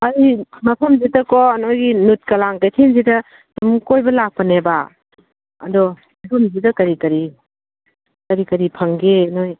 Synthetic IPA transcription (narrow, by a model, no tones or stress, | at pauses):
ɐjmɐpʰɐmzitɐkɔnojɡinut̚kɐlaŋkɐjtʰinzidɐ | tumkojbɐlak̚pɐneba | ɐ̰dɔ | ɐpʰumzidɐkɐɾikɐɾi | kɐɾikɐɾipʰɐŋɡenoj